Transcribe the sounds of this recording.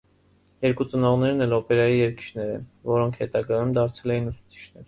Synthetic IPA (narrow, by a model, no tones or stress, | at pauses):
jɛɾkut͡sənɔʁnɛɾnɛlɔpɛɾɑjijɛɾki̥t͡ʃʰnɛɾɛ̰nvɔɾɔŋkʰhɛt̪ɑɡɑjumd̪ɑɾt͡sʰɛlɛjinusu̥t͡sʰi̥t͡ʃʰnɛɾ